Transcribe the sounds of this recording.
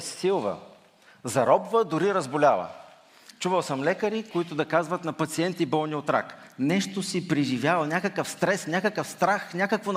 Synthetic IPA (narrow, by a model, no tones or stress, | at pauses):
silˠvə̰ | zɐɾɔbvəd̪ʊɾiɾəzbʊlʲavˠə̰ | t͡ʃuvəlˠsəmlɛkəɾikoit̪ʊd̪ɐkazvət̪nɐpɐt̪siɛnt̪ibɔlˠnʲiot̪ɾa̰knɛʃt̪osipɾiʒivʲjavɐlˠnʲakəkəfst̪ɾɛsnʲakəkəfst̪ɾaxnʲakəkvon